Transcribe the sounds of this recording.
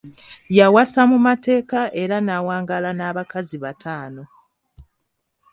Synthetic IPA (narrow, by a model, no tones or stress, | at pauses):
jawasamumate̞ːkaʔe̞ɾanawaːŋɡalanaːβakaziβatʰaːno̞